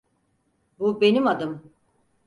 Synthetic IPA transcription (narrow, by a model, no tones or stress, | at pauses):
bube̞nimad̪ɯm